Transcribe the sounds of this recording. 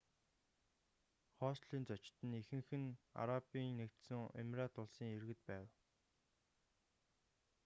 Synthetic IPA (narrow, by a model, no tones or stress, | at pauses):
χɔːsɮiːnt͡sɔt͡ɕt̪ɘ̆nexɘ̆ŋxɘ̆na̰ɾapiːŋːekt̪sɘ̆ŋḛmraːt̪ʊɮsiːŋerɣɘ̆t̪̚pæːw